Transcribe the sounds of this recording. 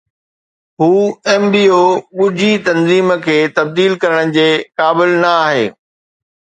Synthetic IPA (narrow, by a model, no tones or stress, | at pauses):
ɦuːɛːmbiːoːɠʊd͡ʑʱit̪ɐnziːmkʰeːt̪ɐb̚d̪iːlkɐɾəɽ̃d͡ʑeːkaːbɪlnɐaːɦḛː